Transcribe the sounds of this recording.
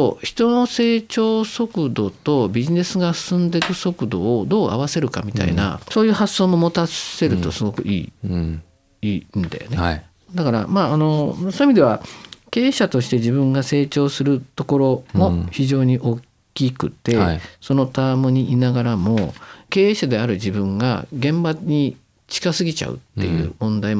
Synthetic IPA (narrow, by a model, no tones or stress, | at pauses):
oçi̥t̪o̞no̞se̞ːt͡ɕo̞ːso̞kɯ̟d̪o̞t̪o̞bʲiʑine̞sɨɡasɨ̥sɨ̃nd̪e̞kɯ̟so̞kɯ̟d̪o̞̰ːd̪o̞ːʔa̰βase̞ɾɯ̟ka̰mʲit̪a̰ḭna̰so̞ːjɯ̟ːhaso̞ːmo̞mo̞t̪ase̞ɾɯ̟t̪o̞sɨɡo̞kɯ̟̰ʔḭː | ĩːnd̪a̰jone | d̪akaɾa̰maːno̞soemʲid̪e̞βake̞ːɕat̪o̞ɕi̥t̪e̞ʑibɯ̟̃ŋɡase̞ːt͡ɕo̞ːsɨɾɯ̟t̪o̞ko̞ɾo̞mo̞çiʑo̞ːɲ̟iʔo̞ːk | kʲikɯ̟t̪e̞so̞no̞t̪amɯɲ̟iʔinaɡaɾamo̞ke̞ːɕad̪e̞aɾɯ̟d͡ʑibɯ̟̃ŋɡa̰ɡẽ̞mbaɲ̟i | t͡ɕi̥kasɨɡʲit͡ɕa̰ɯ̟̰t̪ːe̞̰jɯ̟̰ːmõ̞nd̪ai